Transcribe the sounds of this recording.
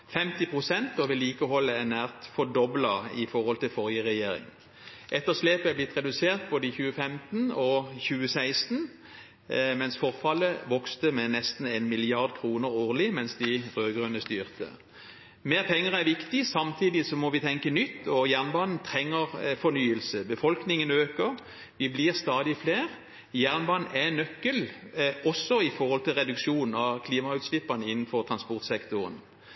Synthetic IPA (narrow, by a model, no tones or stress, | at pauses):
fɛmt̪ɪpʰʁʊsɛnt̪ɔʋɪliːkəhɔlːəænæːʁt̪fɔd̪ɔblɑɪfɔʁɔlt̪ʰɪlfɔʁjəʁɛjeːɾɪ̰ŋ | ʔɛt̪ːəʁsleːpəæblɪt̪ʁɛd̪ʉseːʁt̪̚boːd̪əɪçʉːəfɛmt̪n̩ɔçʉːəsæɪst̪n | mɛnsfɔʁfɑləʋɔkst̪əmɛnɛst̪n̩enmɪlɪɑʁd̪kʰʁuːnəʁoːʁlɪmɛnsd̪ɪʁøːɡʁʉnəst̪yːʁt̪ə̰ | meːʁpʰɛŋːəʁæʁʋɪkt̪ɪsɑmt̪ʰiːd̪ɪsɔmɔʋɪt̪ʰɛŋkənʏt̪ːɔjæʁnbɑːnn̩t̪ʰʁɛŋːəʁfɔnyːəlsəbəfɔlknɪŋənøːkəʁ | ʋɪblɪːʁst̪ɑːd̪ɪfleːʁ | jæʁnbɑnn̩ɛnœkːəlɔsːɔɪfɔʁhɔlt̪ʰɪlʁɛd̪ʉkʃuːnɑkʰliːmɑʉːt̪slɪpːɑnəɪnːn̩fɔʁt̪ʰʁɑnspɔʁt̪sɛkt̪ʊʁə̰n